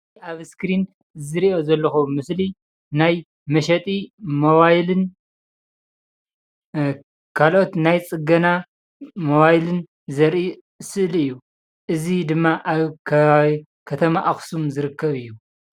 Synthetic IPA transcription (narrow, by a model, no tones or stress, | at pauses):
aβskɾin | zɨɾiʔo̞zɐlːɐxumɨsli | naj | mɐʃɐt̪ʼimoβajlɨn | kʰalʔo̞t̪najt͡sʼɨɡɐna | moβajlɨn | zɐɾʔi | sɨʔlɨjːu | ʔɨzid̪ɨmːaʔaβkʰɐi | kʰɐt̪ʰɐmaʔaxsumzɨɾɨkʰːɐβɨjːu